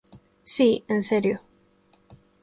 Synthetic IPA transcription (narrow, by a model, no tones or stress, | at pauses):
siɨ̃nsɛɾju